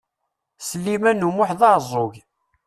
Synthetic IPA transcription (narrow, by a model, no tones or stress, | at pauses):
səlːimænːumʊħðɑɾzˤoʝ